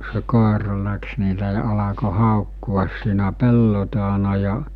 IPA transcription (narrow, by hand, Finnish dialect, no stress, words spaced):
se koˑerɑ læks ni s̞e ɑlɑko hɑˑokːuɑs siːnæ pelːo tɑːnɑ jɑ